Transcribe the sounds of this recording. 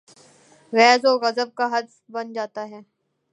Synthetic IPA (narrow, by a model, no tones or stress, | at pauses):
ɣɛːzɔːɣɐzəb̚kaɦɐd̪s | bɐnd͡ʒaːt̪aɦɛː